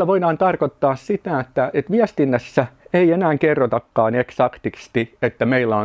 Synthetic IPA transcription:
æʋoidɑːnt̪ɑrkot̪ːɑːssit̪æet̪ːæʔet̪ʋiæst̪inːæsːæeienæːŋkerːot̪ɑkːɑːneksɑkt̪ikst̪iet̪ːæmeilːæo

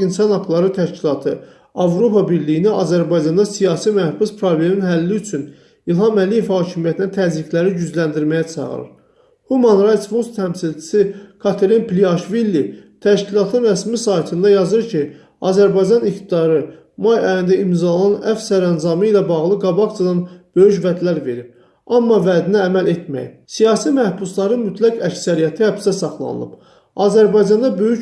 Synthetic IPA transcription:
insɑnhɑɡlˠɑɾɯt̪ʰæʃcilˠɑt̪ʰɯ | ɑvɾo̞pʰɑbiɾlijiniɑzæɾbɑjd͡ʒɑnd̪ɑsijɑːsimæhb̥uspʰɾoble̞minɦælːiyt͡ʃʰyn | ilˠhɑmælije̞vhɑːcʰimijæt̪ʰinæt̪ʰæzɾiklæɾiɟyzlænd̪iɾmæjæt͡ʃʰɑ̰ʁɯ̰ɾɯ̰ɾ | humɑnɾɑjt̪sfonst̪ʰæmsilt͡ʃʰi̥sikʰɑt̪ʰeɾinpliɑʃvilːit̪ʰæʃcilˠɑt̪ʰɯnɾæsmisɑjt̪ʰɯnd̪ɑjɑzɯɾcʰi | ɑ̰ːzæɾbɑjd͡ʒɑnikt̪ʰid̪ɑɾɯ | mɑjɑjind̪æimzɑolˠɑnæfsæɾænzɑmɯilæbɑɣlˠɯɡɑbɑkt͡ʃʰɑd̪ɑnb̥ø̞jyʃvæd̪læɾve̞ɾip | ɑmːɑvæd̪inæːmælet̪mæ̰jsijɑːsimæhbuslˠɑɾɯnmyt̪ʰlækæcsæɾijæt̪ʰihæb̥st̪æsɑχlˠɑ̰nɯ̰lˠɯ̰b̥ | ɑzæɾbɑjd͡ʒɑnd̪ɑbø̞jy

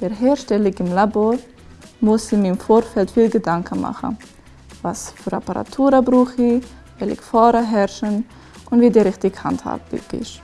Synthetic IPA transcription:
d̥ɛɾɦɛːɾʃtɛlɪɡɪmlaboːɾ | mʊsɪmiɪmfoːɾfɛltfiːlɡədaŋkʰənma̰χə̰ | vasfyɾa̰pəɾa̰tʰuːɾɐbɾuːχi | ɛlɪ̰kfɔːɾəɦɛɾʃən | ʔʊnviːdiɾɪxtɪɡha̰ntha̰ːbbɪ̰ɡɪ̰ʃ

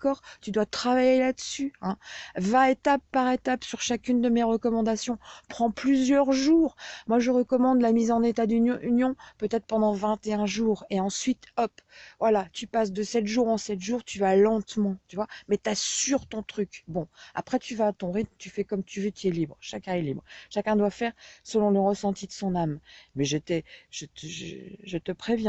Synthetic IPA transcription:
kɔʁt̪yd̪wat̪χavajelad̪əsyɛ̃vãet̪apːaʁet̪apsyʁʃakʲynd̪əmeʁəkɔmɑ̃d̪asjɔ̃pχɑ̃plyzjœʁʒuːʁmwaʒəʁəkɔmɑ̃d̪lamizɑ̃net̪ad̪yynjɔ̃pøt̪ɛt̪χpɑ̃d̪ɑ̃vɛ̃t̪eɛ̃ʒuːʁeɑ̃sɥit̪ɔpvwalat̪ypas̬d̪əsɛt̪ʒuʁɑ̃sɛt̪ʒuʁt̪yvalɑ̃t̪mɑ̃t̪yvwamɛt̪asyʁt̪ɔ̃t̪χykbɔ̃a̰pχɛt̪ʰyvaːt̪ɔ̃ʁit̪̚mt̪yfɛkɔmt̪yvøt̪yɛlibʁʃakʲɛ̃ɛlibʁʃakʲɛ̃d̪wafɛʁsəlɔ̃ləʁəsɑ̃t̪id̪əsɔ̃nammɛʒət̪ɛʒ̥ət̪əʒ̰ʒət̪əpχevjɛ̃

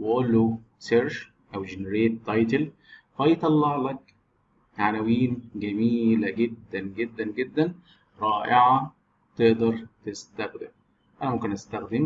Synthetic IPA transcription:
wɪʔolːo | seɾʃ | ʔæwd͡ʒenɾeːt̪ːɑjt̪l | fɑjt̪ˤɑlːɑʕlɑk | ʕanæwiːnɡæmiːlæɡed̪ːænɡed̪ːænɡed̪ːæn | ɾˤɑːʔɪʕa | t̪eʔd̪ɑɾˤt̪ɪst̪æxd̪ɪm | ʔænæmomkenʔæst̪æxd̪ɪm

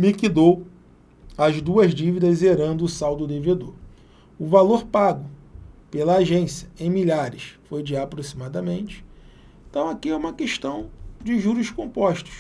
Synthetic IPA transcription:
mikid̪ow | ɐzd̪uɐzd͡ʒivid̪ɐzeɾɐ̃nd̪ʊːsawd̪ʊd̪eved̪oɾ | ʊvaloɾpaɡʊpelɐːʒẽsijɐẽj̃miʎaɾɪʃfojd͡ʒɪapɾosimad̪ɐmẽnt͡ʃɪ̥ | ẽt̪ɐ̃w̃akiɛũmɐkeʃt̪ɐ̃w̃d͡ʒɪʒuɾʊʃkõmpɔʃt̪ʊ̥s

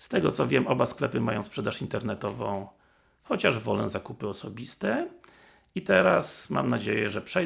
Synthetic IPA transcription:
st̪ɛɡɔt̪sɔvʲjɛmʔɔbasklɛpɘmajɔ̃w̃spʂɛd̪aʂint̪ɛɾnɛt̪ɔvɔ̰̃w̃ | xɔt͡ɕaʐvɔlɛzakupɘɔsɔbʲist̪ɛ | it̪ɛɾasma̰mnad͡ʑejɛʐɛpʂɛ

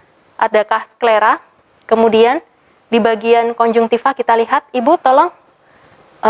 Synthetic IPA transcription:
ʔadakahskleɾa | kəmudian | dibaɡiankɔɲd͡ʒʊŋt̪ifakit̪aliɦat̪̚ibut̪ɔlɔŋ

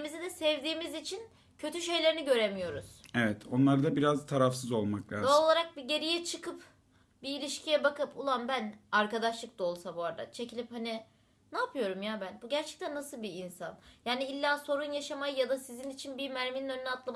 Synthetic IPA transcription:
mizɛd̪ɛsɛvd̪iːmizit͡ʃʰin | cʰø̞t̪ʰyʃe̞jlʲe̞ɾiniɟø̞ɾemijo̞ɾuz̥evɛt̪ʰo̞nlˠaɾd̪abiɾazt̪ʰaɾafsɯzo̞lˠmaklʲa̰ːoolˠaɾak̚biɟe̞ɾijɛt͡ʃʰɯkʰɯp | biːlʲiʃcʰijɛbakɯpulˠanbænaɾkad̪aʃlˠɯk̚d̪ao̞lˠsabuaɾd̪a̰t͡ʃʰe̞cʰilʲiphani | naːpʰɯjo̞ɾumjaːbænbuɟæɾt͡ʃʰɛ̥c̚t̪ʰænːasɯlˠbiːnsanjaːniilʲːaːso̞ɾunjaʃamajɯjad̪asizinit͡ʃʰinbimæɾmininø̞nːɛat̪ʰlˠam

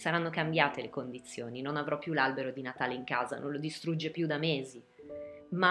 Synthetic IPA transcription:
saɾanːokambjaːt̪elekond̪it̪sːjoːninonavɾɔpːjulalbeɾod̪inat̪aːleiŋkaːza̰nʔõ̰nlod̪ist̪ɾud͡ʒːepjud̪ameːzi | ma

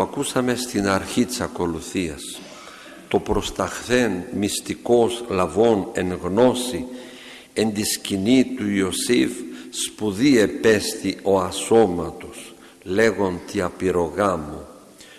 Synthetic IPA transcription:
ɐkusɐme̞st̪inɐɾçit̪i̥sɐko̞luθiɐs | t̪o̞pɾo̞st̪ɐxθe̞nmist̪iko̞slɐvo̞ne̞ŋɣno̞si | e̞nd̪iscinit̪uio̞sivspuðie̞pe̞st̪io̞ɐso̞mɐt̪o̞s | le̞ɣo̞nt̪iɐpiɾo̞ɣɐmo

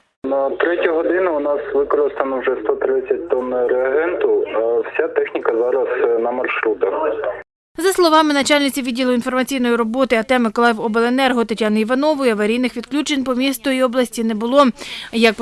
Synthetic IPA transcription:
nɐt̪ɾɛtʲʊɦɔd̪ɪnʊʊnɑsʋɪkɔɾɪst̪ɐnɔwʒɛst̪ɔt̪ɾɪt͡sʲːɐt̚ʲt̪ɔnːɾeɐɦɛnt̪ʊwsʲat̪ɛxnʲikɐzɑɾɐsnɐmɐrʃɾut̪ɐx | zɐslˠɔʋɑmɪnɐt͡ʃɑlʲnɪt͡sʲiʋʲidʲːilˠʊinfɔrmɐt͡sʲijnɔjiɾɔbɔt̪ɪɐt̪ɛmɪkɔlˠɛwɔbelˠenɛrɦʊt̪ɐtʲanʊiʋɐnɔʋʊjɐʋɐɾʲijnɪxʋʲid̪klʲut͡ʃenʲpɔmʲist̪ɔjiɔblˠɐsʲtʲinɛbʊlˠɔjɐk

